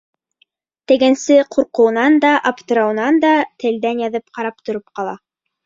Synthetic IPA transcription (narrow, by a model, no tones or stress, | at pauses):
t̪ɘ̆ɡɘnsɘquɾqɤ̆wnɑnd̪ɑʔapt̪ɤ̆ɾɑwnɑnd̪ɑt̪ʰɘ̆ld̪ænjɑðɤp̚qɑɾɑp̚t̪ŏɾɤpqɑlˠɑ̰